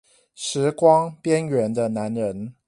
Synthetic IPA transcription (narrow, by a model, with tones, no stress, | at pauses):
ʂɻ̩˨˦kwɑ˥ŋpjɛ˦nɥɛ˧˦nd̪ə˧na˨˦nɻə˨˦n